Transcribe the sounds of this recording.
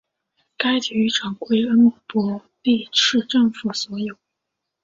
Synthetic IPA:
ka˥ɪt͡ɕy˧˥ʈ͡ʂʰɑ˨˩ŋkwe˥ɪə˥nmɔ˨˩pwɔ˥ | t̪i˥˧ʈ͡ʂʰɻ̩˥˧ʈ͡ʂɤ˥˩ŋfu˨˩swɔ˧˥jo˨˩˦ʊ

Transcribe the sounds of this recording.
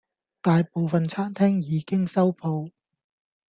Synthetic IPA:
t̪aː˨jpo˨wfɐ˨nt͡sʰaː˥nt̪ʰɛː˥ŋjiː˨˧kɪ˥ŋsɐ˥wpʰo˧w

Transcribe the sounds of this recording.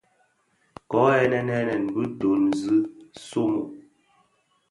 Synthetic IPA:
kɔ˨˦ɛ˦nɛ˦nɛ˦nɛ˨nbɨ˦do˨nzɨ˦so˦mo˨

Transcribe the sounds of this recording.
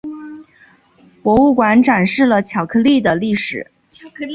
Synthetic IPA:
kwɔ˧˥u˥˩kwa˧˥nʈ͡ʂa˨˩nʂɻ̩˥˩lə˩t͡ɕʰjɑ˨˩ʊkʰɤ˥˧li˥˩d̪ə˩li˥˩ʂɻ̩˨˩˦

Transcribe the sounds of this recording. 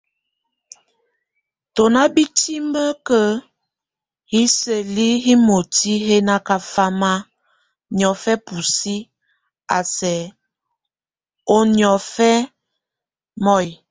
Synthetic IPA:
to˨na˦bi˦ti˦mbə˦kə˦ | hi˦sə˨li˦ɦi˦mo˨ti˦ɦe˦na˦ka˨fa˦ma˦ | njɔ˨fɛ˦pu˨si˦ | a˨sɛ˨ | o˦njɔ˨fɛ˦ | mɔ˦˨i˨

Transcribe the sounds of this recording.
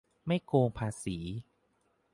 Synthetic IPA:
ma˥˩jkoː˧ŋpʰaː˧siː˩˦

